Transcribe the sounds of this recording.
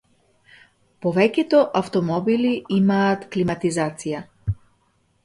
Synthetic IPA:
pɔvɛcʲɛt̪ɔʔaft̪ɔmɔbiliimaːt̪klimat̪izat̪sija

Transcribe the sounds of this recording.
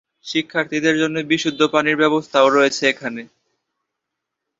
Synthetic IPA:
ʃikʰːaɾt̪ʰid̪eɾd͡ʑonːebiʃud̪ʱːopaniɾbɛbost̪ʰaoɾojet͡ɕʰeekʰane

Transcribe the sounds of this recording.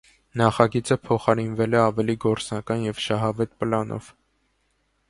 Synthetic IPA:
nɑχɑɡit͡səpʰɔχɑɾinvɛlɛɑvɛliɡɔɾt͡snɑkɑnjɛvʃɑɦɑvɛt̪̚pəlɑnʔɔ̰v̥

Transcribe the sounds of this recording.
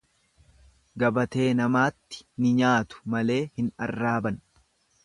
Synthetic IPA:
ɡɐbɐt̪e̞ːnɐmaːt̪ːɪ̥nɪɲaːt̪ʊ̥mɐle̞ːhɪnɐrːaːbɐn

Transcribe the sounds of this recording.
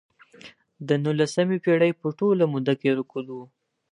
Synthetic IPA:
d̪ənulasamepeɽəjpəʈolamud̪akeɾəkulu

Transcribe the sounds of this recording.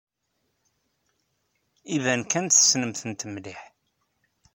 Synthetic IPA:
ivænkænt̪θə̥snəmθənt̪mliħ

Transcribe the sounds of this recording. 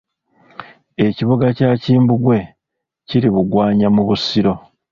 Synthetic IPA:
e̞ciβoɡacaːciːmbuɡwe̞ | ciɾiβuɡwaːɲamuβusiɾo̞

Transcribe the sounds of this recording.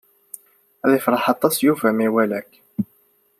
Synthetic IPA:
æðæjfɾˤɑħɑt̪ˤːɑsjufæmiwælæk

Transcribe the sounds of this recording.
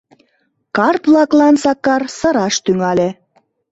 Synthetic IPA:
kɑrt̪βlɑklɑnsɑkɑrsɤ̆ɾɑʃt̪yŋɑle

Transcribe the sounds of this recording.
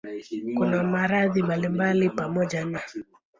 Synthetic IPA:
kunamaɾaðimbalimbalipamɔʄana

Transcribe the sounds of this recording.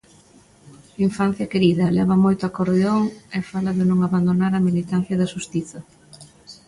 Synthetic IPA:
iɱfan̟θjɐkeɾiðɐlɛβ̞ɐmojt̪ʊɐkoɾðeoŋɪfalɐðɪnõŋaβand̪onaɾɐmilit̪an̟θjɐðɐʃust̪iθɐ

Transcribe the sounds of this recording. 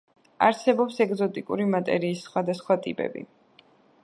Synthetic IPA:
aɾsɛbɔpsɛɡzɔt̪ʼikʼuɾimat̪ʼɛ̰ɾiːsːχwad̪asχwat̪ʼḭpʼɛ̰bḭ

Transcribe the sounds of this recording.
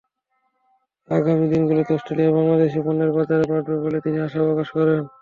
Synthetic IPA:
aɡamid̪inɡulot̪ɔsʈɾelijabaŋlad̪eʃ̬ebɔnːeɾbat̪aɾepaɾɾobolet̪iniaʃaɔkaʃkɔɾen

